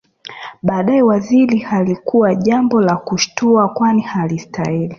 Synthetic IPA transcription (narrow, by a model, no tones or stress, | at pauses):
ɓaːɗaɛwazilihalikuwaʄambɔlakuʃtuakwanihalistahili